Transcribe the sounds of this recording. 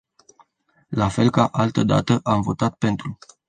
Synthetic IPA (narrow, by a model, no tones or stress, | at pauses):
lafe̞lkaʔalt̪əd̪a̰t̪əʔamvo̞t̪at̪̚pe̞nt̪ɾu